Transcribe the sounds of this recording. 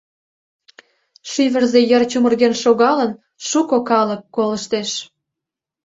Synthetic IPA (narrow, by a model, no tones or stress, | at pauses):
ʃyβə̆rzejərt͡ɕumə̆rɣenʃoɣɑlən | ʃukokɑləkːoləʃt̪eʃ